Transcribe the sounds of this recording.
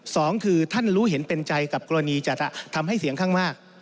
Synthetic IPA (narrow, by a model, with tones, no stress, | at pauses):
sɔː˩˦ŋkʰɯː˧t̪ʰa˥˩nɾuː˦˥ɦe˩˦npe˧nt͡ɕa˧jka˨˩p̚ko˧ɾa˧niː˧t͡ɕa˨˩t̪ʰa˨˩t̪ʰa˧mha˥˩jsi˩˦əŋkʰaː˥˩ŋmaː˥˩k̚